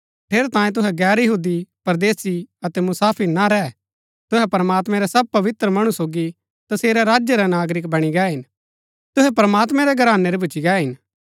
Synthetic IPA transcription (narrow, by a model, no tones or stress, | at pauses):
ʈʰeːɾɛt̪ãːjẽt̪̬ʊɦɛɡɛːɾjɐɦuːd̪ipɐɾd̪eːsiɐt̪ɛmʊsaːpʰiɾnaɾɛː | t̪ʊɦɛpɐɾmaːt̪mɛ̃ɾɛsɐb̚pɐʋɪt̪ɾəmɐɽ̃usoːɡi | t̪ɐseːɾɛɾaːd͡ʒjəɾɛnaːɡɾɪkbɐɽ̃iɡɛːɦɪn | t̪ʊɦɛpɐɾəmaːt̪mɛ̃ɾɛɡɐɾaːnːeɾebʊt͡ʃiɡɛːɦɪn